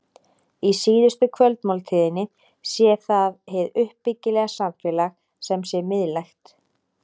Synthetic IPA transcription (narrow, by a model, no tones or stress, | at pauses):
isiːðʏst̪ʏkʰvœlt̪mawlt̪ʰɪːðɪnːɪ | sjɛθaðɦeðʏhpːɪcːɪlɛɣasaɱfɛːlax | sɛmsjɛmɪðlajxt̪